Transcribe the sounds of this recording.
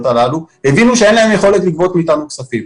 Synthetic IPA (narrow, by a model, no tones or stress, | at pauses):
t̪alaluhe̞vinuʃee̞nlae̞mjeχo̞letlikvo̞t̪miːtanuksafim